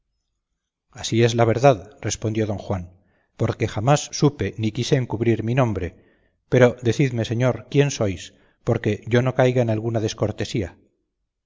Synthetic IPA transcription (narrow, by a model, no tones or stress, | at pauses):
asie̞zlaβ̞e̞ɾðaðre̞spond̪jo̞ðo̞ŋxwan | po̞ɾke̞xamasːupe̞nikiseːŋkuβɾiɾminõ̞mbɾe̞ | pe̞ɾo̞d̪e̞θiðme̞se̞ɲo̞ɾkje̞nso̞js | po̞ɾke̞ʝo̞no̞kajɣaenalɣunaðe̞sko̞ɾt̪e̞sia̰